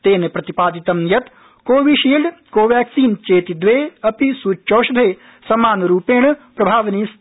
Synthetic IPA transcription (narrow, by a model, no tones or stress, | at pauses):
t̪eːnepɾɐt̪ipaːd̪it̪ɐmjɐt̪ | koːʋiʃiːlɖ̪koːʋɛːksiːnt͡ʃeːt̪id̪ʋeːɐpisuːt͡ʃoːʃd̪ʱeː | sɐmaːnɾuːpeːɳ̃pɾɐbʱaːʋnis